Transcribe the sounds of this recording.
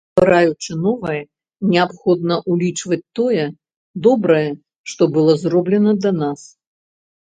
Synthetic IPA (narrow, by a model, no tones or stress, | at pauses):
bɨɾajut͡ʂɨnɔvɐjɛ | nʲɛapxɔd̪nɐʔulʲit͡ʂvɐt͡sʲt̪ɔjɛ | d̪ɔbɾɐjɛ | ʂt̪ɔbɨlˠɔzrɔblʲɛnɐd̪ɐnas